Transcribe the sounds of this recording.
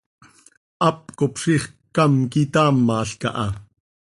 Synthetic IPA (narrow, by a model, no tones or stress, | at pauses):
ʔɑp̚kopʂiχkɑmkit̪ɑːmːɑːɬkɑ̰ʔɑ